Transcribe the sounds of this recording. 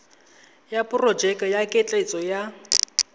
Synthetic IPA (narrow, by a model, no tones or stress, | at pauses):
japʼʊrɔd͡ʒɛkʼajakʼɪt͡ɬʼet͡sʼɔja